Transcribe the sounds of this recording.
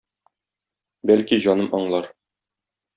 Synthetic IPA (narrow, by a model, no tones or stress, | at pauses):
bælkiʑɒnɤmʔɒɴlˠɑɾ